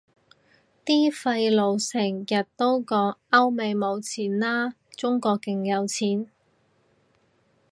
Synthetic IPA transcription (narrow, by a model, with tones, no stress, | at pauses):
t̪iː˥fɐ˧jlo˨˧wsɪ˨˩ŋjɐ˨t̚t̪o˥wkɔː˨˧ɐ˥wme˨˧jmo˨˧wt͡sʰiː˨˩nlaː˥ | t͡sʊ˥ŋkɔː˧kːɪ˨ŋjɐ˨˧wt͡sʰiː˨˥n